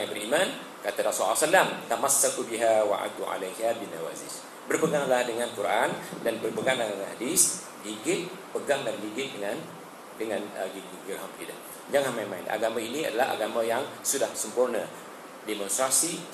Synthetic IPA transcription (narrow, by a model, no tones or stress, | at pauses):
bəɾiman | kat̪aɾasuasalamt̪amasːakubiɦawa̰ʔa̰d̪uʕa̰lajɦabinawa̰zɪ̰s | bərpəɡaŋlahdəŋãnkuɾʔandanbərpəɡaŋdaananhadis | liɡɪt̪̚ | pəɡaŋdanliɡɪt̪̚dəŋan | dəŋanɡi | ɡirɦamtḭda̰ | d͡ʒaŋanmajnmaɪnʔa̰ɡamainia̰dala̰a̰ɡamajaŋsudahsəmpurna | demɔ̃nst̪ɾasi